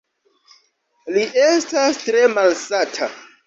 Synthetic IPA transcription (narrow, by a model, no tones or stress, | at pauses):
liʔestastɾe̞malsatʰa